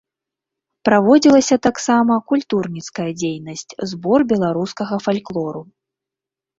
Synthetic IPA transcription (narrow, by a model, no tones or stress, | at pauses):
pɾavɔd͡zʲilˠɐsʲɐt̪aksamɐkulʲt̪urnʲit̪skɐjɐd͡zʲejnɐsʲt͡sʲzbɔrbʲɛlˠaɾuskɐɣɐfalʲklˠɔɾu